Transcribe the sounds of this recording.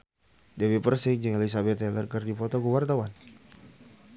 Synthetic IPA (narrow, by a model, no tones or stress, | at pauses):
dawipərsɪkd͡ʒɨŋelis̬abɛt̪ɛlərkərdipɔt̪ɔkuwart̪awan